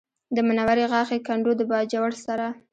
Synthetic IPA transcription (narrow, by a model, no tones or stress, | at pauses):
d̪əmanawaɾeɣɑxekaɳɖod̪əbɑd͡ʒawaɽsaɾa